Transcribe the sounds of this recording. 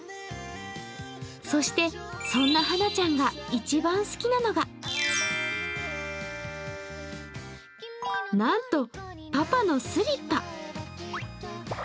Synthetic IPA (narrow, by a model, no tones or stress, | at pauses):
so̞ɕi̥t̪e̞ | sõ̞nːaɦanat͡ɕãŋɡait͡ɕibãɰ̃sɨ̥kʲinano̞ɡa | nãnt̪o̞ | papano̞sɨɾʲit̪ːa